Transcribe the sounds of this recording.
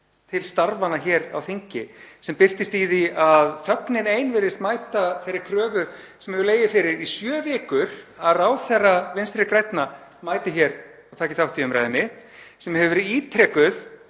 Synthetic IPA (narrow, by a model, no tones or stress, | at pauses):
t̪ʰɪlst̪aɾvanaçɛːɾa̰wθiɲcɪsɛmpɪr̥t̪ɪst̪iðiaðθœknɪneːjnvɪːɾɪst̪maːjt̪aθejɾɪɾkʰɾœːvʏɾ | sɛmhɛvʏɾleːjðɪfɪɾɪɾisjœːvɪːkʏɾ̥aðraːwθɛrːavɪnst̪ɾɪkɾɛjt̪na | maːjt̪ɪçɛɾ | awt̪ʰaːcɪ̥θawht̪iʏmɾa̰ːjðɪnːɪsɛmhɛvʏɾiːt̪ʰɾɛːkʏð̥